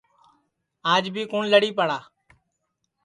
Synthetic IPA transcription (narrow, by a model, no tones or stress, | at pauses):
aːd͡ʒbʱiːkuːnləɽiːpəɽaː